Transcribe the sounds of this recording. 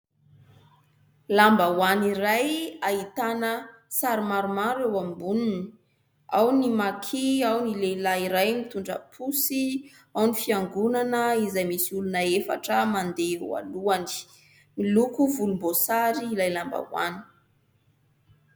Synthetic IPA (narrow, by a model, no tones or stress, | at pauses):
lambawaniɾajait̪anəsaɾimaɾumaɾewambununi | awnimakʰeawnilelaiɾajmit̪uɳɖ͡ʐə̰pʰusi | awnifiaŋɡunanəizajmisiulunəefa̰ʈ͡ʂəmand̪ea̰luani̥ | milukuvulumbosaɾiːlajlamba̰wa̰ni̥